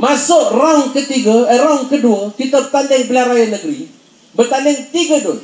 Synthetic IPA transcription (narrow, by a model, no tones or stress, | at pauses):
masʊʔraŋkət̪iɡaɾaŋkəduakit̪abət̪andɪŋbəlaɾajanəɡəɾi | bərt̪andɪŋt̪iɡadʊn